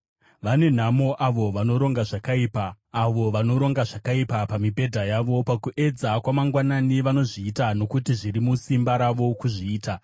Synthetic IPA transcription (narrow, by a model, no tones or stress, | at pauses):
ʋane̞n̤amo̞ʔaʋo̞ʋano̞ɾo̞ŋɡaʐakaiːpaː | ʋo̞ʋano̞ɾo̞ŋɡaʐakaipapamibʱe̞dʱajaːʋo̞pakuʔe̞d͡zakwamaŋɡwananiʋano̞ʐiːtano̞kutiʐiɾimusimbaɾaʋo̞kuʐiːta